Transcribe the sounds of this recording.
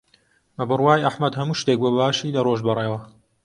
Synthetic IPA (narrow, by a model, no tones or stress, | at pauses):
mɐbɨrwaːjʔɐħmɐd̪hɐmuːʃt̪ek̚bobaːʃiːlɐroʒbɨreːwɐ